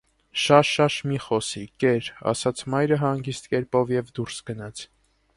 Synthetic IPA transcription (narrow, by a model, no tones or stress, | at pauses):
ʃɑʃɑʃmiχɔsikɛɾɑ̰sɑt͡sʰmɑjɾəɦɑŋɡist̪kɛɾpɔvjɛvd̪uɾsɡ̥ənɑt͡sʰ